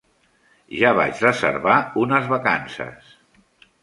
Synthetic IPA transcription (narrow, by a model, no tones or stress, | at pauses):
ʒaβa̰t͡ʃrəzə̰ɾβaunəzβaka̰nsə̰s